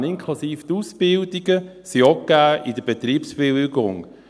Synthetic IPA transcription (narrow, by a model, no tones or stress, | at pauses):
nɪŋkʰlusiːft̪uːsb̥ɪld̪iɡəsiokːæːʔid̥əbet̪ɾiːpsb̥ɪlɡʊ̰ŋ